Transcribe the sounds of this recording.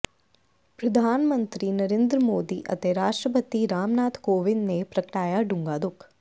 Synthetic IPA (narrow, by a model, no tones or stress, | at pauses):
pɾɐd̪ʱaːnmə̃nt̪ɾinɐɾeːnd̪ɾəmoːd̪iʔɐ̰t̪eɾaːʂʈɾəpət̪iɾaːmnaːt̪ʰkoːʋɪnnepɾɐkʈaːjaɖuŋɡaːd̪uk